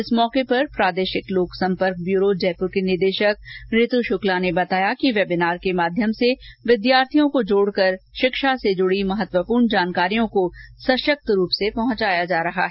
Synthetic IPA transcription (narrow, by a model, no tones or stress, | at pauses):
ɪsmɔːkepɐɾpɾaːd̪eːʃɪkloːksɐ̃mpəɾk̚bjuːɾod͡ʒɛːpʊɾkenɪɾd̪eːʃək̚ɾɪt̪uʃʊklanebɐt̪aːjakiʋɛːbɪnaːɾkemaːd̪ʱjəmseʋɪd̪jaːɾt̪ʰijõkod͡ʒoːɽkɐɾʃɪkʃased͡ʒʊɽimɐɦət̪wəpuːɾɳd͡ʒaːnkaːɾijõkosɐʃək̚t̪ɾuːpsepɐɦʊ̃t͡ʃaːjad͡ʒaːɾɐɦa̰ɦɛ